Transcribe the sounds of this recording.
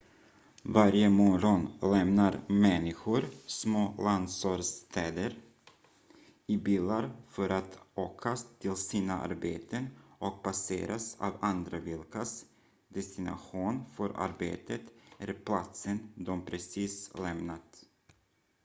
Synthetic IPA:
vaɾjəmɔɾɔnlɛmnaɾmɛnːɪɧʊɾsmoːland̪sɔɾst̪ʰɛːd̪əɾ | ɪbiːlaɾfœɾʔat̪oːkʰast̪ʰɪlsiːnaʔa̰ɾbeːt̪ʰənʔɔk̚basḛːɾʔa̰sa̰ːvand̪ɾavɪlkas | d̪ɛst̪ɪna̰ɧuːnfœɾʔa̰ɾbḛːt̪ʰət̪æɾpʰlat̪sənd̪ɔmpʰɾɛsiːslɛmnat̪

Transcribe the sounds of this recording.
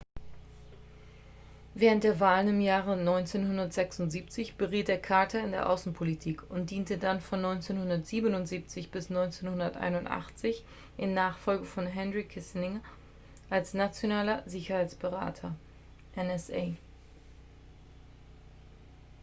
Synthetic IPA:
vɛːʁənt̚d̥eːɐvaːlənɪmjaːʁənɔʏnt͡seːnhɦʊndɐtz̥ɛksʊntz̥iːp̚t͡sɪçb̥əʁiːt̚d̥eːɐkʰaɐtʰɐɪndeːɐʔaʊsn̩pʰolitʰiːkʰʊnt̚d̥iːntədanfɔnːɔʏnt͡seːnhʊndɐtz̥iːbənʊntz̥iːp̚t͡sɪçb̥ɪsnɔʏnt͡seːnhʊndɐtʔa̰ɪnʊntʔa̰χt͡sɪç | ʔɪnːaːχfɔlɡəfɔnɦɛnʁikʰɪsnɪŋ | ʔalsnat͡sjonaːlɐzɪçɐhaɪt͡sb̥əʁa̰ːtʰɐ | ʔɛnɛsʔeː

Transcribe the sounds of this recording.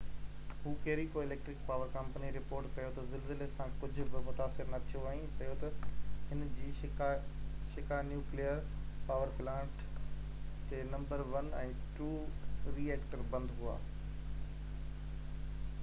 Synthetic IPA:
ɦuːkeɦɾikoɪleːk̚ʈɾɪk̚paːʋəɾkɐ̃mpəniɾɪpoːɾʈkɐjot̪ɐzɪlzɪlesãkʊd͡ʑʱʊ̆bɪmʊt̪aːsɪɾnɐt̪ʰijoaːĩkɐjot̪ɐɦɪnd͡ʑiː | ʃɪkaːnjuːklijəɾpaːʋəɾplãːɳʈ | t̪eːnɐ̃mbəɾʋɐnɛ̃ːʈuːɾiːeːkʈəɾbɐ̃nd̪ɦʊa̰ː

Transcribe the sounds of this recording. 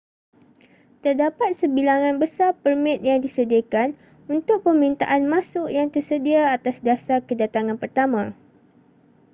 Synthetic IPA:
t̪ərdapat̪̚səbilaŋãnbəsapərmɪ̃t̪̚jaŋdisədiakan | unt̪ʊk̚pəmint̪a̰ʔanmasʊʔjaŋt̪ərsədiaːt̪asdasakədat̪aŋanpərt̪amã

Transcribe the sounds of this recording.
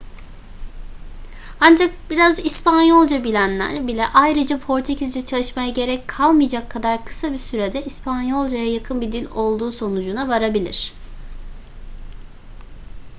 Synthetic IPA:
and͡ʒak̚biɾazispanjo̞lˠd͡ʒabilʲænlʲæ̰ɾbilʲɛʔajɾɯd͡ʒapʰo̞ɾt̪ʰecʰizd͡ʒɛt͡ʃʰalˠɯʃmajaɟe̞ɾɛckʰalˠmɯjd͡ʒakʰːad̪aɾkʰɯ̥sabisyɾed̪ɛʔispʰanjo̞lˠd͡ʒajajakʰɯnbid̪ilʲo̞lˠd̪uːso̞nud͡ʒunavaɾabilʲḭɾ̝̥

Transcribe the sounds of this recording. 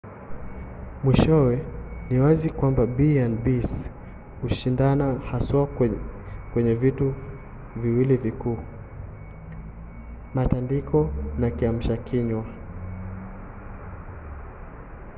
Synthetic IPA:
mwiʃɔwɛniwazikwambabianbis | huʃindanahaswa | kwɛɲɛvitu | viwilivikuː | matandikɔnakiam̩ʃakʰiɲwa

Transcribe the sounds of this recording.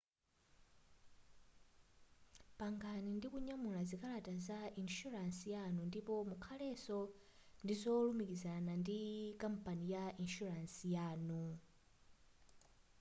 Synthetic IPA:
paŋɡanindikuɲamulazikʼalatʼazainʃuɾansijanundipɔmukʰalɛsɔ | ndizɔlumikizanandikʼampʼanijaʔinʃuɾansijaːnu

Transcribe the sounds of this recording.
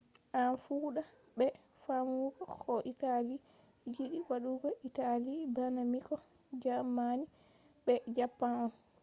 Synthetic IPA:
ʔanfuɗa | ɓɛ | famuɡɔkʰɔʔitali | d͡ʒiɗiwaɗuɡɔʔitalibanamikɔ | d͡ʒamani | ɓɛd͡ʒapːanɔn

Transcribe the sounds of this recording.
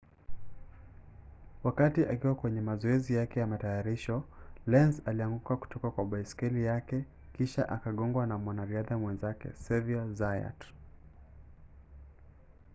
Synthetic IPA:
wakatiʔakiwakwɛɲɛmazɔɛzijakɛjamatajaɾiʃɔlɛnzaliaŋɡukaku̥tɔkakwaɓaiskɛlijakɛ | kiʃa̰ʔakaɠɔŋɡwanamwanaɾiaðamwɛnzakɛ̰sɛviazaja̰t

